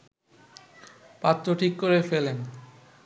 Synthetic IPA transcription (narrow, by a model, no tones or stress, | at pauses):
pat̪ːɾoʈʰikːoɾefelen